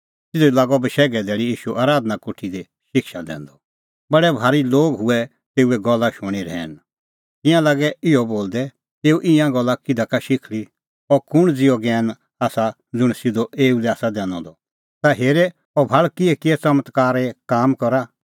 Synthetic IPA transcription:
tɪd̪ɔilaːɡɔbəʃɛːɡɛd̪ɛːɽijiːʃuʔaːɾaːd̪nakʊʈʰid̪ɛ | ʃɪkʰʃad̪ɛ̰̃ːnd̪ɔ | bɐɽɛbʱaːɾiloːɡɦʊɛ | t̪eːuɛɡɔlːaʃʊɽ̃iɾɛ̰ːn | k̪ɪ̃jãlaɡɛɪɔboːld̪ɛ | t̪eːuʔɪ̃jãɡɔlːakɪd̪akaʃɪkʰɭi | ɔɾkʊɽ̃d͡zɪɔɡɛːn | aːsa | d͡zʊɽ̃sɪd̪ɔʔeːulɛaːsad̪ɛːnɔ̰̃d̪ɔ | t̪aɦeːɾɛ | ɔbʱaɭkiɛkɪɛt͡sɐmət̪kaːɾɛkaːmkɔɾa

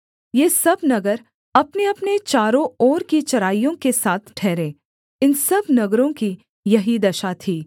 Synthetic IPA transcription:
jeːsɐbnɐɡəɾ | ɐpneɐpnet͡ʃaːɾõɔːɾkit͡ʃɐɾaːijõkesaːt̪ʰʈʰɛːɾẽː | ɪnsɐbnɐɡɾõki | jɐɦid̪ɐʃat̪ʰiː

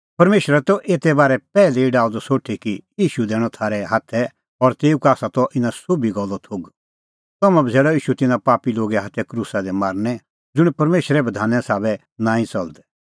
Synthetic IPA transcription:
pɐɾmeːʃɾɛt̪ɔʔeːt̪ɛbaːɾɛpɛːleiɖaːud̪ɔsoːʈʰikijiːʃud̪ɛːɽ̃ɔt̪ʰaːɾɛɦaːt̪ʰɛ | ɔɾt̪eːukaːsat̪ɔʔɪnãsobiɡɔlːɔt̪ʰoːɡ | t̪ɔmɛ̃bid͡zeːɽɔiːʃut̪ɪnãpaːpiloːɡɛɦat̪ʰːɛkɾuːsad̪ɛmaːɾnɛ | d͡zʊɽ̃pɐɾmeːʃɾɛbɐd̪ʱaːnɛ̃saːβɛ | nãːĩt͡sɐld̪ɛ

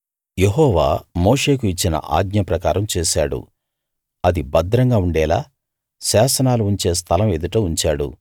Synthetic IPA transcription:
jeɦɔːʋa̰ːmoːʂe̞ːkuit͡ʃːinɐ̰ʔa̰ːɡɲɐpɾɐkaːɾɐmt͡ʃeːʃaːɽṵ | ɐd̪ibɐd̪ɾɐŋɡaːuɳɖɛːla̰ː | ʃaːsɐnaːluuɲt͡ʃe̞ːs̬t̪ʰɐlɐme̞d̪uʈɐːuɲt͡ʃaːɽṵ

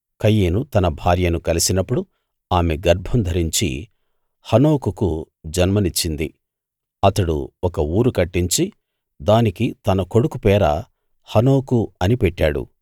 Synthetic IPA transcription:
kɐjːeːnut̪ɐnɐbʱaːɾjɐnukɐlisinɐpːuɽu | aːmeɡɐɾbʱɐmd̪ʱɐɾiɲt͡ʃḭ | hɐno̞ːkuku | d͡ʒɐnmɐnit͡ʃːind̪ḭ | ɐt̪ɐɽṵɔkɐuːɾukɐʈːiɲt͡ʃi | d̪aːnikit̪ɐnɐko̞ɽukupɛːɾɐ̰ | hɐno̞ːkuɐnipɛʈːaːɽṵ

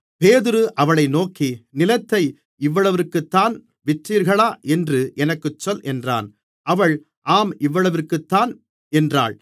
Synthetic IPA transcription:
peːðɪɾɯʔɐʋɐɭɐɪnoːkinɪlɐt̪ːɐɪ | ɪʋːɐɭɐʋɪɾkːɯt̪ːaːn | ʋɪʈriːɾɣɐɭaːʔɛndrɯʔɛnɐkːɯt͡ʃːɔlʔɛndra̰ːn | ʔɐʋɐɭ | ʔaːmʔɪʋːɐɭɐʋɪrkːɯt̪ːaːn | ɛndra̰ːɭ

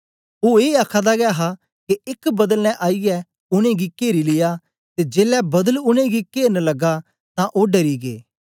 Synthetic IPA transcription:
oːeːaːkʰãd̪aɡɛɦa | keɪkbɐd̪əlnɛ̃ʔaːijɛ | ʊñẽɡikeːɾilɪja | t̪ed͡ʒeːlɛbɐd̪əlʊñẽɡikeːɾnlɐɡa | t̪ãʔoːɖɐɾiɡḛː

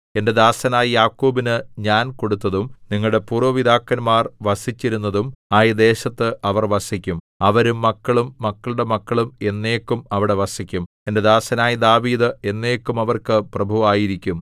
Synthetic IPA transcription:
e̞nde̞d̪aːsɐnaːjijaːkːoːbinɨɲaːnko̞ɽut̪ːɐðumniŋːɐɭɽe̞puːrʋɐʋid̪aːkːɐnmaːrʋɐsit͡ɕːiɾunːɐðumaːjid̪e̞ːɕɐt̪ːɨʔɐʋɐrʋɐsikʲːum | ɐʋɐɾumːɐkːɐɭumːɐkːɐɭuɽe̞mɐkːɐɭume̞nːe̞ːkːumɐʋiɽe̞ʋɐsikʲːum | e̞nde̞d̪aːsɐnaːjid̪aːʋiːd̪ɨe̞nːe̞ːkːumɐʋɐrkɨprɐbʱuʋaːjiɾikʲːum

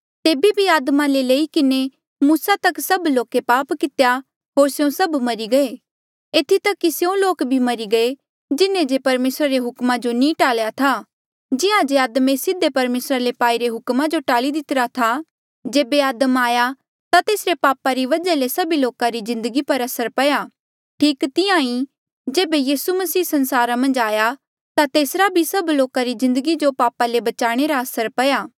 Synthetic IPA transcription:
t̪eːbibʱiaːd̪mãleleːikɪne | muːsat̪ɐksɐbloːkepaːpkɪt̪ja | ɦoːɾsjõsɐbmɐɾiɡɐeː | eːt̪ʰit̪ɐkːisjõloːkbʱimɐɾiɡɐe | d͡ʒɪnẽd͡ʒepɐɾmeːsɾaɾeɦʊkmad͡ʒonĩːʈaːljat̪ʰa | d͡ʒɪãd͡ʒeaːd̪mesɪd̪ʱːepɐɾmeːsɾalepaːiɾeɦʊkmad͡ʒoʈaːlid̪ɪt̪ɾat̪ʰa | d͡ʒeːbeaːd̪əmaːja | t̪at̪eːsɾepaːpaɾiʋɐd͡ʒalesɐbiloːkaɾizɪ̃nd̪əɡipɐɾɐsəɾpɐjaː | ʈʰiːkt̪ɪãːĩ | d͡ʒeːbejiːsumɐsiːsɐ̃nsaːɾamɐ̃nd͡ʒaːja | t̪at̪eːsɾabʱisɐbloːkaɾizɪ̃nd̪əɡid͡ʒopaːpalebɐt͡ʃaːɽ̃eɾaɐsəɾpɐjaː

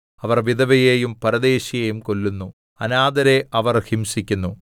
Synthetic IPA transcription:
ɐʋɐrʋid̪ɐʋɐjejumpɐɾɐd̪e̞ːɕijejumko̞lːunːu | ɐnaːd̪ɐɾeʔɐʋɐrhimsikʲːunːu

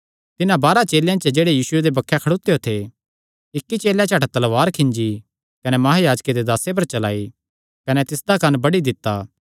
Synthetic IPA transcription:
t̪ɪnãbaːɾat͡ʃeːljãt͡ʃəd͡ʒeːɽejiːsʊed̪ebɐkʰːɛkʰɐɽoːt̪ːejot̪ʰe | ɪkːit͡ʃeːljãt͡ʃʰaːʈat̪ɐlʋaːɾkʰɪ̃ɲd͡ʒi | kɐnɛmɐɦajaːd͡ʒked̪ed̪aːsep̬ɐɾt͡ʃɐla̰ːi | kɐnɛt̪ɪsd̪akɐnbɐɽid̪ɪt̪ːaː

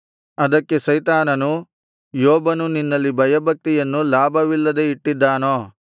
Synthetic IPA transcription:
ɐd̪ɐkːe̞sɐjt̪aːnɐnu | jɔːbɐnuninːɐlːibʱɐjɐbʱɐk̚t̪ijɐnːulaːbʱɐʋilːɐd̪e̞iʈːid̪ːaːnoː

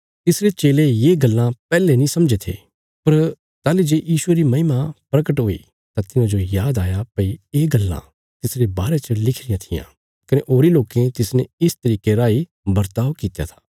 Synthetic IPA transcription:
t̪ɪsɾet͡ʃeːlejeːɡɐlːãpɛːlenĩsɐmd͡ʒet̪ʰḛː | pɐɾ | t̪aːlid͡ʒeːjiːʃʊeɾimɐɦɪmapɾɐkəʈɦoːḭ | t̪ãt̪ɪnãd͡ʒojaːd̪aːjapɐieːɡɐlːã̰ | t̪ɪsɾebaːɾet͡ʃəlɪkʰɾɪjãt̪ʰɪjã̰ː | kɐneʔoːɾiloːkẽt̪ɪsneɪst̪ɐɾiːkeɾaːi | bɐɾt̪aːʋkiːt̪ja̰t̪ʰḁː

